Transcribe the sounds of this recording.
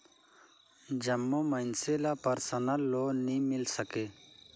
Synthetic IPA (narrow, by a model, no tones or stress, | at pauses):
d͡ʒəmːoːməɪnselaːpəɾsənəlːoːnimɪlsəkeː